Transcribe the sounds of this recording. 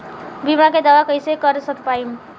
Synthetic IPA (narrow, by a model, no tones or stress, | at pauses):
bimaked̪awakʌjsekʌɾsʌt̪paim